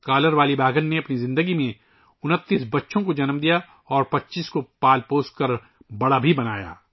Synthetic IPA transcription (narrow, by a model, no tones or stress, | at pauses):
kaːləɾʋaːlibʱaːɡənːeɐpnizɪ̃nd̪əɡimẽ | ʊnət̪ːiːsbɐtːʃʰõkod͡ʒɐnmd̪ija | ɔːɾpɐtːʃiːskopaːlpoːskɐɾ | bɐɽabʱibɐna̰ːja̰ː